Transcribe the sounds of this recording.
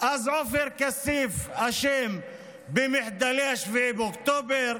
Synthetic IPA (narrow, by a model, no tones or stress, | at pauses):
ʔazʕʊfɪɾkasiːfaʃeːm | bɪmɪħd̪aliaʃfibʊkt̪oːbɪɾ